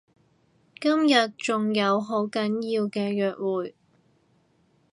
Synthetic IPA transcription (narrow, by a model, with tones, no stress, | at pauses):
kɐ˥mjɐ˨t̚t͡ʃʊ˨ŋjɐ˨˧wɦo˨˥wkɐ˨˥njiː˧wkɛː˧jœː˨k̚wuː˨j